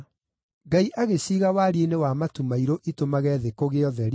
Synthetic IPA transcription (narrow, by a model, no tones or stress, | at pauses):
ɡaiʔaɣeɕiːɣawaɾienewamatumaiɾoʔitomaɣɛːðekoɣeɔðɛɾ